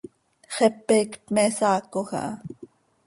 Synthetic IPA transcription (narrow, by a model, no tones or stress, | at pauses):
χɛpːekpmɛsɑːkoxa̰ʔɑ